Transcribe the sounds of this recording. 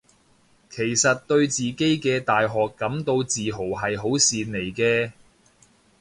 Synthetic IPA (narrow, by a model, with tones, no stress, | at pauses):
kʰe˨˩jsɐ˨t̚t̪ɵ˧ɥt͡siː˨ke˨˥jkɛː˧t̪aː˨jɦɔː˨kːɐ˨˥mt̪o˧wt͡siː˨ɦo˨˩wɦɐ˨jɦo˨˥wsiː˨nle˨˩jkɛː˧